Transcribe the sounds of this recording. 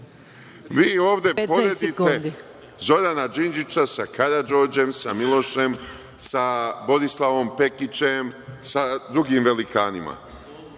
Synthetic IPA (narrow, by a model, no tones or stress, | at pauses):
ʋiːo̞ːʋd̪e̞poɾe̞d̪it̪ed̪ | zo̞ɾanad͡ʒind͡ʒit͡ʃasakaɾad͡ʒo̞ːd͡ʒe̞msamilˠo̞ʃe̞m | sabo̞d̪islˠaʋo̞mpe̞kit͡ʃe̞msad̪ɾuɡiːmʋe̞likʰaːnima̰